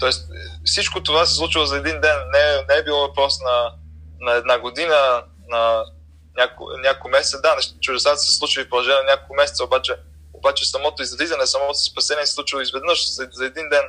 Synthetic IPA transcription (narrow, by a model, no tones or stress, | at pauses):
t̪ɔɛst̪fsit͡ʃkot̪ovasɛslˠut͡ʃilˠozɐɛd̪ind̪ɛnːɛnɛɛbilˠɔvɐpɾɔsnɐnɐɛd̪naɡod̪inə | nɐ | nʲaknʲakokmɛsɛt̪d̪anɛʃt͡ʃʊd̪ɛsat̪sɛ̥slˠut͡ʃilifpolˠɐʒɛnʲɛnnʲakolˠkʊmɛsɛt̪səobat͡ʃɛ | obat͡ʃɛsɐmɔt̪oizɐd̪izɐnɛsɐmɔt̪o̥sɛ̥spɐsɛnʲiɛsɛsˠut͡ʃilˠoizvɛd̪nɤʃzzɐɛd̪ind̪ɛn